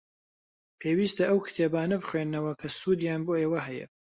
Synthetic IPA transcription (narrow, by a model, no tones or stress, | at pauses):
pʰeːwiːst̪ɐʔɐwkʰɨ̥t̪ʰeːbaːnɐbɨχweːnːɐwɐkʰɐsuːd̪jaːnboːeːwɐɦɛjɛ̰